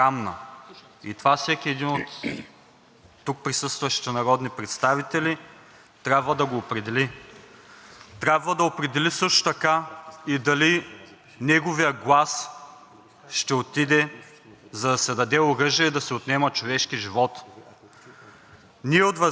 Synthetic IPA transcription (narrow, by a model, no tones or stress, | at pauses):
amnə | it̪ovafsɛkʲiɛd̪inot̪ | uk̚pɾisɤst̪vɐʃi̥t̪ɛnɐɾɔd̪nipɾɛt̪st̪avit̪ɛli | t̪ɾjabvəd̪ɐɡoːpɾɛd̪ɛli | t̪ɾʲabvəd̪ɐopɾɛd̪ɛlisɤʃt̪o̥t̪ɐkaid̪ɐli | nɛɡovijəɡlˠas | ʃt̪ɛot̪id̪ɛ | zɐd̪ɐsɛd̪ɐd̪ɛoɾɤʒijɛd̪ɐsɛot̪nɛmət͡ʃovɛʃkiʒivɔt̪ | niɛot̪vɐ